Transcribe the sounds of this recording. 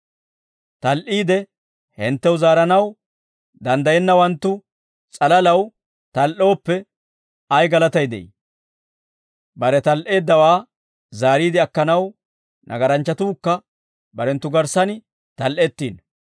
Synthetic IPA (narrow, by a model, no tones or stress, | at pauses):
t̪ɐlʔiːd̪ɛ | hɛnt̪ːɛwzaːɾɐnɐw | d̪ɐnd̪ɐjɛnːɐwɐnt̪ːʊ | t͡sʼɐlɐlɐw | t̪ɐlʔo̞ːpːɛ | ɐjɡɐlɐt̪ɐjd̪ɛ̰j̰ | bɐɾɛt̪ɐlʔe̞ːd̪ːɐwaː | zaːɾiːd̪ɪɐkːɐnɐw | nʔɐ̰ɡɐɾɐnt͡ʃːɐt̪uːkːɐ | bɐɾɛnt̪ːʊɡɐɾsɐnɪ | t̪ɐlʔɛt̪ːiːn